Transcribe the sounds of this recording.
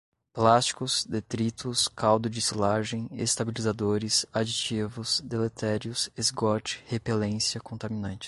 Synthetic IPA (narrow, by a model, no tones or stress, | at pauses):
plast͡ʃi̥kʊzd̪et̪ɾit̪ʊskawd̪ʊd͡ʒisilaʒẽj̃ḛst̪abilizad̪oɾɪsad͡ʒit͡ʃivʊzd̪elet̪ʰɛɾiʊsezɡɔt͡ʃɪ̥hepelẽsjɐkõnt̪amĩnɐ̃nt͡ʃɪ̥